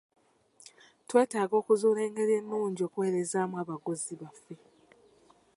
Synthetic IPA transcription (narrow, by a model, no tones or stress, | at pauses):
twe̞ːtaːɡo̞ːkuzuːle̞ːŋɡe̞ɾe̞nːuːɲɟio̞ːkuwe̞ːɾezaːmuaβaɡoziβafːe̞